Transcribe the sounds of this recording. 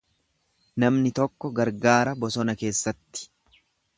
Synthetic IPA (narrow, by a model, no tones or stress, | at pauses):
nɐmnɪt̪ɔkːɔɡɐɾɡaːɾɐbɔsɔnɐke̞ːsːɐt̪ːɪ̥